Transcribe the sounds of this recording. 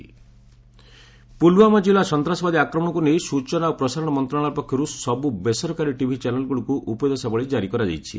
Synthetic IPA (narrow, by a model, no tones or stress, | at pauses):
pulwamɔd͡ʒilasɔnt̪ɾasɔbad̪iakɾɔmɔɽɔ̃kunejsut͡ʃɔnaopɾɔsaɾɔɽɔmɔnt̪ɾɔaaɭ̃aɾpɔkʰjɔɾusɔbubesɔɾkaɾiʈibʱit͡ʃanelɡuɭukuʔupɔjd̪ɔsabɔɭid͡ʒaɾikɔɾad͡ʒa̰jt͡ʃʰḭ